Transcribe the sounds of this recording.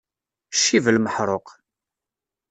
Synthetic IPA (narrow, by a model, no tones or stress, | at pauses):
ʃːivəlməħɾˤoq